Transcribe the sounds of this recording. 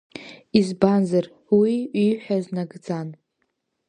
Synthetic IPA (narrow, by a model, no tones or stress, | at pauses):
izbanzar | wiiħʷᶣaznaɡd͡zan